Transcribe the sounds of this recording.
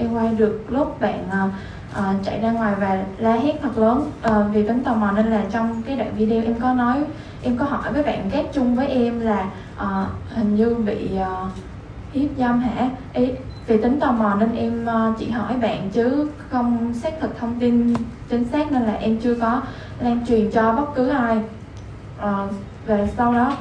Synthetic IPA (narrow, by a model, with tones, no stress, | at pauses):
ʔɛ˧mkwaː˧jɗɨ˨˩ək̚lʊ˦˥p̚ɓa̰ː˧˨nʔəː˨˩ | ʔəː˨˩t͡ɕa̰˧˨jzaː˧ŋwaː˨˩jvaː˨˩laː˧haː˨˦˥t̚t̪ʰə˨˩t̚ləː˨˦nʔːvi˨˩t̪ï˨˦ŋ̟t̪ɔ˨˩wmɔ˨˩ne˧nlaː˨˩t͡ɕɔ˧wŋ͡mkaː˨˦jɗa̰ː˧˨ŋvi˧ɗe˧ʔɛ˧mkɔ˨˦nɔ˨˦j | ʔɛ˧mkɔ˨˦ɦɔ˧˩jvəː˨˦jɓa̰ː˧˨nɣaː˦˥k̚t͡ɕʊ˧ŋ͡mvəː˨˦jʔɛ˧mlaː˨˩ | ʔəː˨˩hï˨˩ŋ̟ɲɨ˧vḭ˧˨ʔəː˨˩ | hi˦˥p̚zaː˧mɦa̰ː˧˥ʔi˨˦ | vi˨˩t̪ï˨˦ŋ̟t̪ə˨˩wmɔ˨˩ne˧nʔɛ˧mː˧t͡ɕḭ˧˩˨hɔ˧˩jɓa̰ː˧˨nt͡ɕɨ˨˦ | xə˧wŋ͡msaː˦˥k̚t̪ʰɨ˨˩k̚t̪ʰə˧wŋ͡mt̪i˧nt͡ɕï˨˦ŋ̟saː˦˥k̚ne˧nlaː˨˩ʔɛ˧mt͡ɕɨ˧əkɔ˨˦ | laː˧ŋt͡ɕwi˨˩ənt͡ɕɔ˧ɓə˦˥t̚kɨ˨˦ʔaː˧j | ʔəː˨˩ | vaː˨˩sa˧wɗɔ˨˦